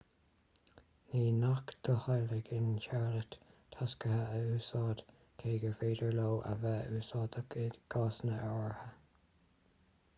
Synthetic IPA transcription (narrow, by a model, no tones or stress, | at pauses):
niːnakd̪̥əhajlɪɡɪnt͡ʃaɹlət̪ʰːaskəhəəʉːsɑːd̪̥ | kʰeːɡəveːd̪əɹloːʔə̰vɛuːsɑːd̪əɪɡ̥ɑːsnəʔɔɹhə